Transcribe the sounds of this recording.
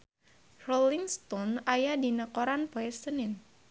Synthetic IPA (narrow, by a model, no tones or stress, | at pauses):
roliŋst̪ɔnajadinakɔɾanpoɛsənɪn